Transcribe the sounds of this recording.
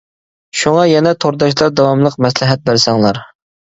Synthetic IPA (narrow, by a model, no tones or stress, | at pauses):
ʃuŋɑjɛnɛt̪ʰoɾd̪ɑʃlˠɑɾd̪ɑwɑmlˠəqmɛslɪɦɛt̪̚bæɾsɛŋlˠɑɾ